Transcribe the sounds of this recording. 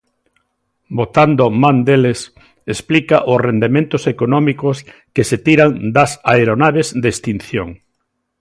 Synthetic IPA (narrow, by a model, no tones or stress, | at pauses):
bot̪and̪omãnd̪eles | esplikaʔʊsrend̪emẽnt̪ʊsekonɔmikʊskeset̪iɾaŋd̪ɐsaeɾonaβezd̪est̪in̟θjoŋ